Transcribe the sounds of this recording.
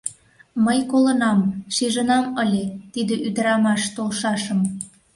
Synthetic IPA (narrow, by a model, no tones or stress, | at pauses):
məjkolənɑmʃiʒənɑməlʲet̪id̪eʔyd̪əɾɑmɑʃt̪olʃɑʃəm